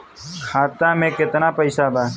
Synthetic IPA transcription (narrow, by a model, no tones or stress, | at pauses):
xʰaːt̪ãːmẽːkɪt̪naːpəɪsaːbaː